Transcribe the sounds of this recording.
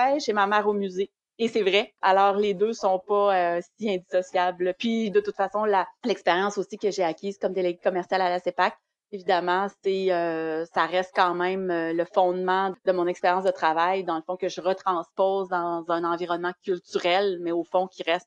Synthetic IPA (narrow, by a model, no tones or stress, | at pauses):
ɛʃemamɛːʁomyzeː | sɛvʁɛalɔːʁled̪øsɔ̃pʌøsiɛ̃d̪i̥sɔsjablpɥid̪ət̪ut̪fasɔ̃lalɛkspeʁjɑ̃sosikəʒeakʲiːz̥kɔmd̪eleɡekɔmɛʁsjalalasepak̚ | evid̪amɑ̃sɛøsaʁɛst̪̚kɑ̃mɛ̃møləfɔ̃d̪mɑ̃d̪əmɔ̃nɛkspeʁjɑ̃sd̪ət̪χavajd̪ɑ̃ləfɔ̃kəʒəʁət̪χɑ̃spɔːzd̪ɑ̃zɛ̃nɑ̃viʁɔnmɑ̃kʲylt̪yʁɛlmɛofɔ̃kʲiʁɛst̪̚